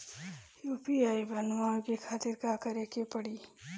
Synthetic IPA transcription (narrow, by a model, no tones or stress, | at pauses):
juːpiaːibɐnʋaõkekʰaːt̪ɪɾkakəɾekepɐɽiː